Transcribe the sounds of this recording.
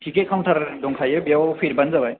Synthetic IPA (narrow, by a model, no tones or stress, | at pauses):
tʰiket̚kʰawtʰaɾdɔŋkʰajɯbijawpʰiɾbanzabaj